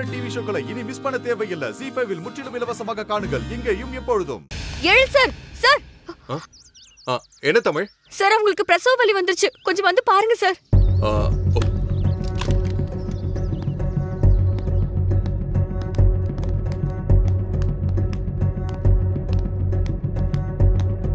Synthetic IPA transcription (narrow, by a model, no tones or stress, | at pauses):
ɐʈiːʋiʂɐkɐɭɐɪnimɪspɐɳːɐt̪eːʋɐjɪlːɐsifɐjʋɪlmʊʈrɪlɯmɪlɐʋasɐmaːɣɐkaːɳɯɡɐɭɪŋɡejɯmɛpːɔɻɯðɯ̰mɛɻɯɭsaːɾsaːɾa | aː | ɛnːɐt̪ɐmɐɻ | saɾɐʋʊŋɡɐɭɯkːɯpɾɐsɐːʋɐʋɐliʋɐnd̪ɪɾɯt͡ʃːɯkɔɲd͡ʒɐ̃ʋɐnd̪ɯpaːɾɯŋɡɐsaːɾ | o